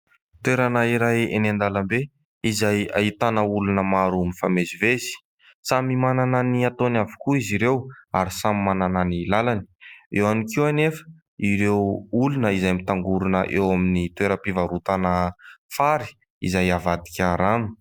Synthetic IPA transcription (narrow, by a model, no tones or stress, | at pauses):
t̪weɾanaiɾajḛnend̪alambe | izaja̰it̪anəulunəmaɾumifamezivezi̥ | t͡samimanananiat̪onavikuiziɾewaɾisamimanananilalani̥ewanikiwanefə̥ | iɾewulunəizajmit̪aŋɡuɾunəʔewaminit̪weɾəpivaɾut̪anəfaɾi̥ | izajavad̪i̥kʲaɾani̥